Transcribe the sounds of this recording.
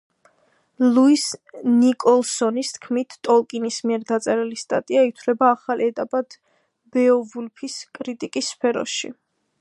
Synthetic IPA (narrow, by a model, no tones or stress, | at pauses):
luisnikʼɔlˠsɔnist̪ʰkʰmit̪ʰt̪ʼɔlˠkʼinismiɛɾd̪at̪sʼɛɾɛlist̪ʼa̰t̪ʼiait̪ʰwlɛbaːχalɛt̪ʼapʼad̪̥ | bɛɔvulpʰiskʼɾit̪ʼikʼisːpʰɛɾɔ̰ʃḭ